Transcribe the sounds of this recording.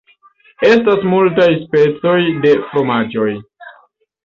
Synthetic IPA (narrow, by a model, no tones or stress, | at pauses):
e̞stasmultajspe̞t͡so̞jde̞fɾo̞mad͡ʒo̞j